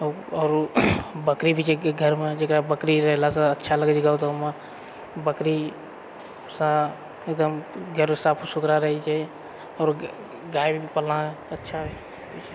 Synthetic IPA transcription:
ɔːɾbəkɾibʱit͡ʃʰeɡʱəɾmed͡ʒekɾabəkɾiɾəɦlasə̃ətːʃʰaləɡət͡ʃiɡawt̪ːme | bəkɾi | sə̃ | ek̚d̪əmɡʱəɾmesapʰsud̪ɾaɾəɦɛt͡ʃʰɛ | ɔːɾ | ɡajbʱibipəlnaətːʃʰa | t͡ʃʰ

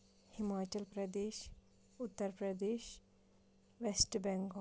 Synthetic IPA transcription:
himaːt͡ʃɐlpɾɐd̪eːʃ | ʊt̪ːəɾpɾɐd̪eːʃ | ʋesʈbɛŋɡo

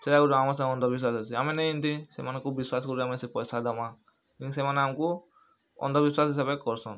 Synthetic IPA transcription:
seɾakud͡ʒɔamasãŋɔnd̪ɔbis̬wasasiamenejint̪ʰisḛmanekubiswaskɔɾiamɛsepɔjsad̪ama | kisemaneamku | ɔ̰nd̪ɔbiswasɦisabekɔɾsɔn

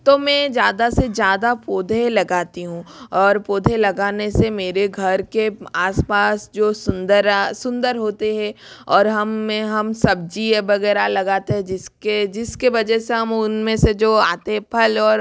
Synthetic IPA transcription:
t̪omɛ̃d͡ʒjaːd̪asezjaːd̪apoːd̪ʱelɐɡaːt̪iɦũːɔːɾpoːd̪ʱelɐɡaːnesemeːɾeɡʱɐɾkeaːspaːsd͡ʒoːsʊnd̪əɾsʊ̃nd̪əɾɦoːt̪eɦɛ̃ɔːɾɦɐmːɛ̃ɦɐmsɐb̚d͡ʒiebɐɣɛːɾalɐɡaːt̪eɦɛ̃d͡ʒɪsked͡ʒɪskeʋɐd͡ʒɛɦseɦɐmʊnmẽsed͡ʒoːa̰ːt̪epʰəlɔːɾ

